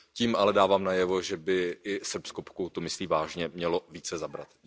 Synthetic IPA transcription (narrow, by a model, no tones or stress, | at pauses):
ciːmʔalɛdaːvaːmnajɛvo̞ʒɛbɪʔɪsr̩pskopkut̪umɪsliːvaːʒɲɛmɲɛlo̞viːt͡sɛzabɾa̰t̪